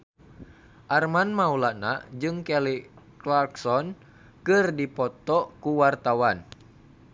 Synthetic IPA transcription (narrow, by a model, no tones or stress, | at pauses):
ʔarmanmaulana̰d͡ʒɨŋkɛli | klarksɔn | kɨrdipɔt̪ɔkuwart̪awan